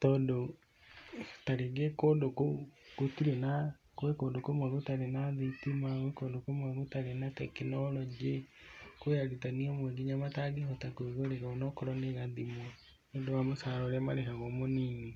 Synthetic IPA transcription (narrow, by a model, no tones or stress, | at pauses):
tɔndo | taɾeɡekondokoɡ̥otiɾena | koekoːndokomaɣotaɾenaðitimaɣekoːndokomwaɣotaɾenatɛkenɔɾɔd͡ʒekwaɾitaniɔmwɛɡiɲamataɡihɔtakoeɣoɾeɣaonɔkɔɾɔneɣaðimɔ | ondowamosaɾɔɾamaɾekaɣɔmoniɲi